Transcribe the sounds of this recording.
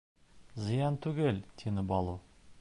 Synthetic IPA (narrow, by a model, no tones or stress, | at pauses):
zijɑnt̪ʰʉɡʲelt̪ʲʰenɪbɑlˠu